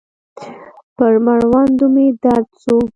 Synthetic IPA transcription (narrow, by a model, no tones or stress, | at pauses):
pəɾmaɾwɑnd̪umed̪ɑɾt͡su